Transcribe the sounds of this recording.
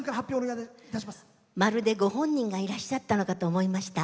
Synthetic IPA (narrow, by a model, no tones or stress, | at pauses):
ŋkaɾahapʲjoːnoiad̪eit̪aɕimasɨ̥ | maɾɯ̟d̪e̞ɡo̞hõ̞ɲ̟ːĩŋɡaiɾaɕat̪ːano̞kat̪o̞ːmo̞imaɕi̥t̪a